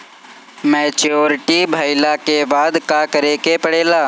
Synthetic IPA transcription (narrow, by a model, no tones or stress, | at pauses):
mɛːt͡ʃoːɾɪʈibʱaːɪlakebaːd̪kakəɾeːkepɐɽeːlaː